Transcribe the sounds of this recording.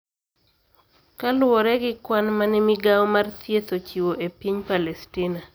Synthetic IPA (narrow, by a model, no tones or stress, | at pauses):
kalwɔɾɛɡɪkwanmanɛmiɡawmart̪jet̪ot͡ʃiwoʔepiɲpalɛstɪna